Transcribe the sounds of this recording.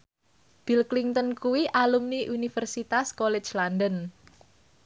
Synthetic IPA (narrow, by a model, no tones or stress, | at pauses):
b̥ilkliŋt̪ənkuwiʔalumniʔunifɛərsit̪askɔlɛ̥t͡ʃlandən